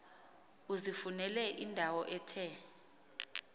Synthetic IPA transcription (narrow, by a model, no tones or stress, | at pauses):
uzifunɛlɛʔindʱawɔʔɛːtʰɛ